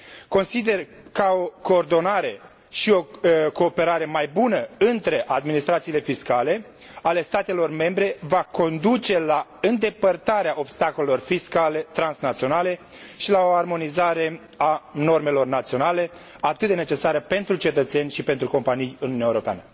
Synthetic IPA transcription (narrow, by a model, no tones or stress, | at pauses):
ko̞nsid̪e̞r | kao̞ko̞ːrd̪o̞naɾe̞ | ʃio̞ko̞ːpe̞ɾaɾe̞majbunəɨnt̪ɾe̞ʔad̪minist̪ɾat̪sile̞fiskale̞ | ale̞st̪at̪e̞lo̞rme̞mbɾe̞vako̞nd̪ut͡ʃe̞laɨnd̪e̞pərt̪aɾeaʔo̞b̥st̪ako̞le̞lo̞rfiskale̞t̪ɾansnat̪sio̞nale̞ | ʃilao̞armo̞nizaɾe̞ | ano̞rme̞lo̞rnat̪sio̞nale̞ | at̪ɨt̪̚d̪ene̞t͡ʃe̞saɾəpe̞nt̪ɾut͡ʃe̞t̪ət̪se̞nʲʃipe̞nt̪ɾuko̞mpanijɨnuuniaewoɾo̞pea̰nə